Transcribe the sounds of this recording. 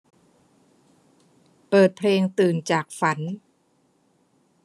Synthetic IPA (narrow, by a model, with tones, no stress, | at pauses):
pɤː˨˩t̪̚pʰleː˧ŋt̪ɯː˨˩nt͡ɕaː˨˩k̚fa˩˦n